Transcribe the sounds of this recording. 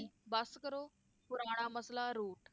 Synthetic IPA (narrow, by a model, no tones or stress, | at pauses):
baskəɾo | puɾaɽ̃aməslaɾuːʈ